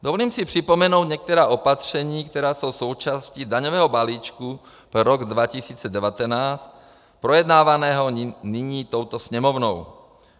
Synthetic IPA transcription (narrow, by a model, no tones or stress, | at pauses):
d̪ovɔliːmsipr̥ipomɛnowd̪ɲɛk̚t̪ɛɾaːʔopat̪r̝̥ɛɲiːkt̪ɛɾaːsowsowt͡ʃascid̪aɲɔvɛːɦɔbaliːt͡ʃku | pɾɔɡd̪ʋacisiːt͡sɛdɛʋat̪ɛnaːst | pɾɔjɛd̪naːʋanɛːɦɔniɲiːt̪owt̪ɔsɲɛmɔvnɔw